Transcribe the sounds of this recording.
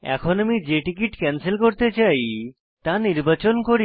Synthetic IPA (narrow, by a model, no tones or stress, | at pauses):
ɛ̰kʰonamid͡ʑeʈik̬iʈkɛnselkoɾt̪et͡ɕaj | t̪aniɾbat͡ɕonkoɾi